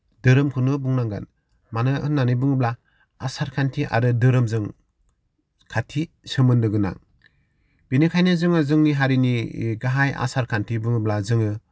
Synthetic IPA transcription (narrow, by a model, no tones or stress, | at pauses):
dɯɾɯmkʰɯnɯbuŋnaŋɡa̰n | manɯɯnːanɯbɯŋɯbla | asaɾkʰantʰiʔa̰ɾɯdɯɾɯmzɯŋ | kʰatʰi | sɯmɯndɯɡɯna̰ŋ | binikʰajnɯzɯŋɯzɯŋniɦaɾiniɡaɦajʔa̰saɾkʰantʰibɯŋɯblazɯŋɯ